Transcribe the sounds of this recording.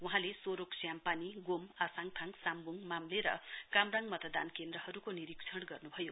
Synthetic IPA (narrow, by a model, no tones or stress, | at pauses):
uɦãlesoɾoksjampaniɡomasaŋt̪ʰaŋsambuŋmamleɾʌ̰kamraŋmʌt̪ʌd̪a̰nkend̪ɾʌhʌɾukoniɾiksʰʌɽɡʌrnubʱʌjo